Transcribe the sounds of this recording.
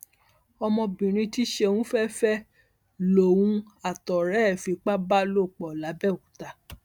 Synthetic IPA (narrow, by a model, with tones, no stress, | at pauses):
ɔ˧mɔ̃˧bĩ˨ɾ̃ĩ˧ti˦ʃe˧wũ˦fɛ˦fɛ˦ | lo˨wũ˧a˨tɔ˨ɾɛ˨˦˨fi˧k͡pa˦ba˦lo˦˨k͡pɔ˨la˨˦bɛ˦˨ku˨ta˧